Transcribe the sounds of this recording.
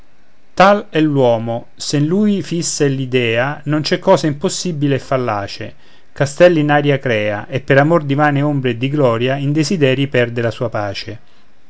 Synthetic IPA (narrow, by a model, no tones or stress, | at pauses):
t̪alɛlːwɔːmo | senluːjfisːelid̪ɛːanont͡ʃɛkːɔːzaimposːibileɛfːalːaːt͡ʃḛ | kast̪ɛlːinaːɾjakɾɛːaʔepːeɾamord̪ivaːneombɾeːd̪iɡlɔːɾjaind̪ezid̪ɛːɾipɛrd̪elasuːapaːt͡ʃe